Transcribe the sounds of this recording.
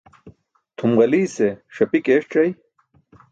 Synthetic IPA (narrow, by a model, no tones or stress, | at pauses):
t̪ʰumʁɐliːseʂɐpikeːʂʈ͡ʂɐj